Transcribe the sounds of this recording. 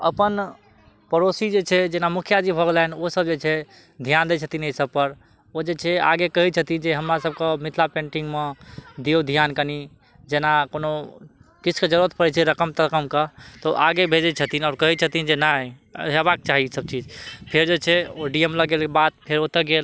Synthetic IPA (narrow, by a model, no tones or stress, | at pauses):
ə̰pən | pəɾosid͡ʒet͡ʃʰɛd͡ʒenamukʰjad͡ʒ̪ibʱəɡlɛnosəbd͡ʒet͡ʃʰɛ | d̪ʱijand̪et͡ʃʰət̪inesəb̚pəɾ | od͡ʒet͡ʃʰɛa̰ɡekəɦit͡ʃʰət̪ind͡ʒeɦəmɾasəb̚kemit̪ʰlapẽɳʈĩŋɡmed̪iod̪ʱijankəni | d͡ʒenakonokit͡ʃʰked͡ʒəɾuət̪pəɾɛt͡ʃʰɛɾəkəmt̪əkəmket̪ɔʔaɡebʱed͡ʒɛt͡ʃʰət̪inaɾkəɦit͡ʃʰət̪ind͡ʒenaɦeβak̚t͡ʃaɦisəb̚t͡ʃid͡ʒpʰeɾd͡ʒet͡ʃʰɛoɖiemləɡelkebat̪̚pʰeɾot̪əɡel